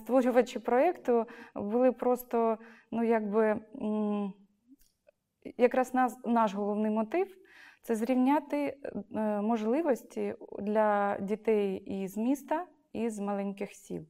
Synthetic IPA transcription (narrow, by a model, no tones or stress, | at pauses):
st̪ʋɔɾʲʊʋɐt͡ʃɪpɾɔɛkt̪ʊbʊlˠɪpɾɔst̪ɔnujaɡ̚bɪ | jɐkɾɑsnnɑʃɦɔlˠɔwnɪjmɔt̪ɪw | t̪sɛzɾʲiwnʲat̪ɪ | mɔʒlˠɪʋɔsʲtʲid̪lʲɐdʲit̪ɛjizmʲist̪ɐ | izmɐlˠɛnʲkɪxsʲḭlˠ